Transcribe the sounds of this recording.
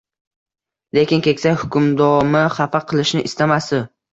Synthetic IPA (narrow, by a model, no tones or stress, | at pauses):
le̞kʲɪnkʲe̞kʲsajʲhʊkʰʲʊmd̪ɒmaχafaqʰɨlˠɪʃnɪʔɪst̪amasɪ